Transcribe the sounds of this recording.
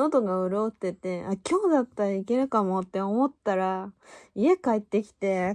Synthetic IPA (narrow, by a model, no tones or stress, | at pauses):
ot̪o̞ɡaɯ̟ɾot̪ːe̞t̪e̞akʲʰo̞ːd̪at̪ːaɾaike̞ɾɯkamo̞t̪ːe̞omo̞t̪ːaɾaie̞kait̪ːe̞kʲi̥t̪e̞